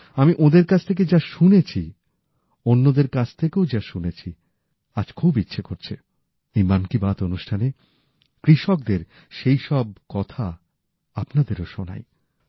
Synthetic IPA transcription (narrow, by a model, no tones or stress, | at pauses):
amiʔod̪eɾkat͡ɕʰt̪ʰek̬ed͡ʑaʃunet͡ɕʰi | onːod̪eɾkat͡ɕʰt̪ʰekeod͡ʑaʃunet͡ɕʰi | ad͡ʑkʰubitːɕʰekoɾt͡ɕʰe | ejmankibat̪onuʃʈʰane | kɾiʃɔk̚d̪eɾ | ʃejʃɔb̚kɔt̪ʰa | apnad̪eɾoʃona̰j